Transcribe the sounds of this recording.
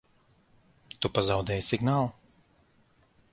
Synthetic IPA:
t̪upazawd̪ɛːjsiɡnaːlˠ

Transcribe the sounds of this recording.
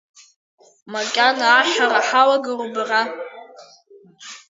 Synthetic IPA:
makʲʼanaːʃaraħawaɡɨrubra

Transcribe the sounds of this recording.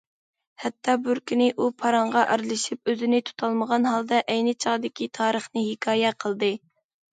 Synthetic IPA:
hɛt̪ʰːɑbyɾkʲinɪʔupʰɑɾɑɴʁɑʔæɾlˠɨʃip̚øzɪnɪt̪ʰu̥t̪ʰɑlˠməʁɑnɦɑlˠd̪ɑʔɛjnɪt͡ʃʰɑʁd̪ɪkʲit̪ʰɑːɾəχnɨhɪkʰɑːjɛqʰəlˠd̪ɨ

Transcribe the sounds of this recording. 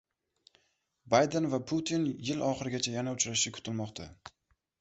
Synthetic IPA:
bajd̪envapʰʊt̪ʰinjɪlɒχɨɾɪɡʲat͡ʃʰajanaʊt͡ʃɾaʃʃɪkʰʊ̥t̪ʰɪlmɒqt̪ʰa

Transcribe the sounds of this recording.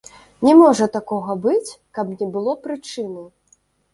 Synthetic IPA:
nʲɛmɔʐɐt̪akɔɣɐbɨt͡sʲ | kɐbnʲɛbɨlˠɔpɾɨt͡ʂɨnɐ

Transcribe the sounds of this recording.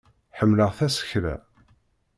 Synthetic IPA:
ħəmːləʁθæsə̥çɾæ̰

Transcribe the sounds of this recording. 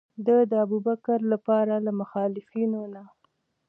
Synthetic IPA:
d̪əd̪əabubakaɾlapɑɾalamʊxɑlɪfinona

